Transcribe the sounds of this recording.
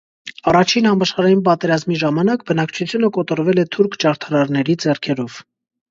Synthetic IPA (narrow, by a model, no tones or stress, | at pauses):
ɑrɑt͡ʃʰinhɑmɑʃχɑɾɑjinp̬ɑt̪ɛɾɑzmiʒɑmɑnɑkbənɑkt͡ʃʰut͡sʰjunəkɔt̪ɔɾvɛlɛt̪ʰuɾkʰt͡ʃɑɾt̪ʰɑɾɑɾnɛɾid͡zɛrkʰɛɾɔv̥